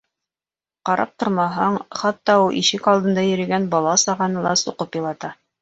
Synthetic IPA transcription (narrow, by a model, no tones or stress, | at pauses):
qɑɾʔɑ̰p̚t̪oɾmɑɦɑɴχɑt̪ːɑulˠʔiʃɘkɑlˠd̪ɤ̆nd̪ɑjɘ̆ɾɘ̆ɡænbɑlˠɑsɑʁɑnɤlˠɑ̰suqɤpjɑlˠɑt̪ɑ